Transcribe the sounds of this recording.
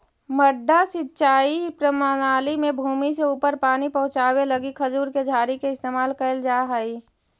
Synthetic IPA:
məɖʱːasɪtːt͡ʃaːipɾəmanaːlimẽbʱuːmis̬eupəɾpaːnipəɦʊ̃t͡ʃaːweləɡikʰəd͡ʒuːɾked͡ʒʱaːɾikeɪst̪eːmaːlkəld͡ʒaɦəi

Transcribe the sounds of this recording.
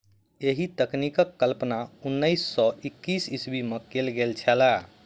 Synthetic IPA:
eɦit̪əknikəkːəlpnaunːəɪsːɔikːisisbimekelɡelt͡ʃʰɛla

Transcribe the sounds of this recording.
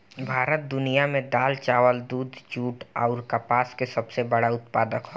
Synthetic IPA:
bʱaːɾət̪̚d̪ʊnijamẽd̪aːlt͡ʃaːʋəld̪uːd̪d͡ʒuːʈɔːɾkapaːskesɐbsebɐɽaʊt̪̚paːd̪əkɦoː

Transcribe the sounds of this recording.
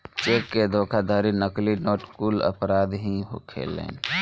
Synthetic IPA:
t͡ʃeːkːed̪ʱoːkʰad̪aːɾinəklinoːʈkuːlə̰pɾaːd̪ɦĩɦo̰kʰḛlḛːn

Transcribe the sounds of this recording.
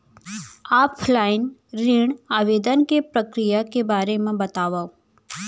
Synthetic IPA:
aːpʰlaːɪnɾiɳaːʋeːd̪ənkepɾəkɾijakebaːɾemẽbɐt̪aːʋao

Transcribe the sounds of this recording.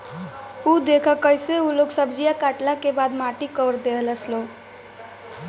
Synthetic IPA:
ud̪ekʰəkəjseuloɡsəbd͡ʒijakaʈlakebad̪maʈikəɾd̪eɦləslo

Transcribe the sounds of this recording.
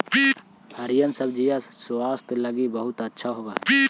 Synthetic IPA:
bəɾijənsəb̚d͡ʒijaswaːst̪ʰləɡibəɦʊt̪ətːʃʰaɦoɡaːɛ

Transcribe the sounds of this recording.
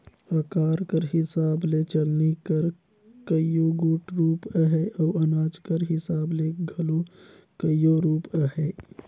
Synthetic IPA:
ɾəkaːɾkəɾɦɪsaːblet͡ʃɐlnikəɾ | kəijoɡuːʈɾuːpəɦɛʔɔːɐnaːd͡ʒkəɾɦɪsaːbleɡʱɐlo | kəjoɾuːpəɦɛː

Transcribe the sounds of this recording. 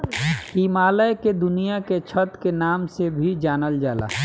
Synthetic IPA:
iːmaːləjked̪ʊnijaket͡ʃʰət̪kenaːmsebʱid͡ʒaːnəld͡ʒaːla̰

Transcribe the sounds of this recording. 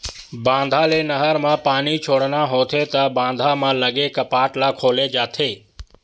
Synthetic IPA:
bãːnd̪ʱaːleːnəɦəɾmãːpaːniːt͡ʃʰoːɽnaːɦoːt̪ʰeːt̪ɐbãːn̆d̪ʱaːmãːləɡeːkəpaːʈlaːkʰoːleːd͡ʒaːt̪ʰeː

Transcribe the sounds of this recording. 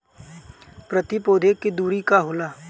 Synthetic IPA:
pɾət̪ipoːd̪ʱekːed̪uːɾikaɦʊlaː

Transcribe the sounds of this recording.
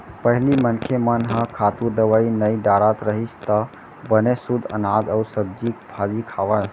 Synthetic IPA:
pəɦlimənkʰemənɦə̃kʰat̪uɾd̪əʋainəiɖaɾat̪ɾəɦist̪ə | bənesud̪ʱə̰nad͡ʒausəb̚d͡ʒik̚pʰad͡ʒikʰaʋə

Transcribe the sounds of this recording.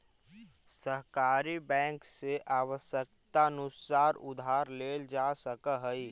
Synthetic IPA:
səɦkaːɾibɛ̃ːŋkseʔaːʋəsjək̚t̪anʊsaːɾʊd̪ʱaːɾleːld͡ʒasəkəɦəi

